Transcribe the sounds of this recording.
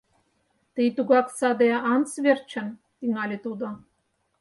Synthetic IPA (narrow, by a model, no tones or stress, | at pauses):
t̪ijt̪uɡɑksɑd̪eɑnt͡svʲert͡ɕə̆n | t̪iŋɑlʲet̪ud̪ŏ